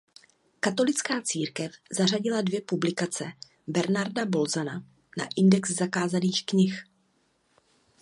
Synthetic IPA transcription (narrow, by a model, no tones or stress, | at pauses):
kat̪o̞lɪt͡skaːt͡siːɾkɛfzaraɟɪladvjɛpublɪkat͡sɛ | bɛɾnaɾdabo̞lzana | na̰ʔɪndɛkzzakaːzaniːxkɲɪx